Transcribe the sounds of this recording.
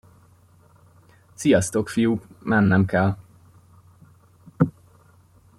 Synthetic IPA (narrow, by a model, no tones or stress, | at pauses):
t̪sijɒst̪o̞kfijuːkmɛnːɛmkɛl